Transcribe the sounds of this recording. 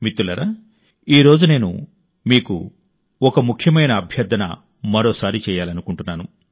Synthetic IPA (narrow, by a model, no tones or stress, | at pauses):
mit̪ːulɐɾaː | iːɾo̞ːd͡ʒune̞ːnṵ | miːkṵ | ɔkɐmukʰjɐmɐjnɐːbʱjɐɾd̪ʱɐnɐ̰ | mɐɾo̞ːsaːɾit͡ʃɛːjaːlɐnukuɳʈunːaːnu